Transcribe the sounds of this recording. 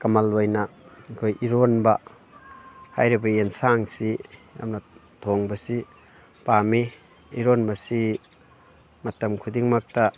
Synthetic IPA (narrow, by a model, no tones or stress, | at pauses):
kɐmalojnɐkʰojʔiɾonbɐ | hajɾibɐensaŋsia̰mna | tʰoŋbɐsi | pami | iɾonbɐsi | mɐtɐmkʰudiŋmak̚ta